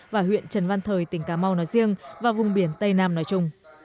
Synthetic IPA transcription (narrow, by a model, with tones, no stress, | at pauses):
vaː˨˩ɦwḭ˧˨ənt͡ɕə˨˩nva˧nt̪ʰəː˨˩jt̪ï˨˦ŋ̟kaː˨˦ma˧wnɔ˨˦jzi˧əŋvaː˨˩vʊ˨˩ŋ͡mɓi˧˩ənt̪ə˧jnaː˧mnɔ˨˦jt͡ɕʊ˧ŋ͡m